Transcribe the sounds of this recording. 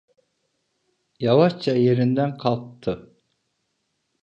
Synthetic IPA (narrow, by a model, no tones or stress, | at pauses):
jɑwɑʃt͡ʃʰɛjeɾɪnd̪ɛnqʰɑlˠt̪ʰːɨ